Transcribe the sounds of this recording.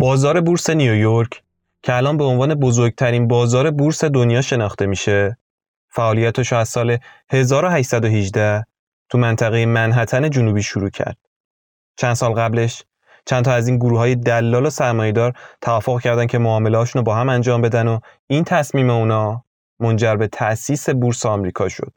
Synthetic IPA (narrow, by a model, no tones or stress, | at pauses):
bɒːzɒːɾe̞buːɾse̞nijojoɾcʰ | cʰeælɒːnbe̞onvɒːne̞bo̞zoɾɡ̚t̪ʰæɾiːnbɒːzɒːɾe̞buɾse̞d̪onjɒːʃe̞nɒːχt̪e̞miːʃe̞ | fæʔɒːlijæt̪ʰeʃoæz̥sɒːle̞he̞zɒːɾoɦæʃsæd̪oɦid͡ʒd̪æh | t̪ʰumænt̪ʰæɣejemænɦæt̪ʰæne̞d͡ʒunubiːʃuɾuːcʰæ̰ɾd̪̥̚ | t͡ʃʰænd̪sɒːlɣæble̞ʃ | t͡ʃʰænt̪ʰɒːæziːnɡoɾuːɦɒːje̞d̪ælːɒːlosæɾmɒːje̞d̪ɒːɾt̪ʰævɒːfːoɣcʰæɾd̪æncʰe̞moɒːme̞leɒːʃuːnobɒːɦæmænd͡ʒɒːmbe̞d̪æno | int̪ʰæsmiːme̞unɒː | mo̞nd͡ʒæɾbe̞t̪ʰæʔsiːse̞buɾseɒmɾiːkʰɒ̰ːʃo̞̰d̪̥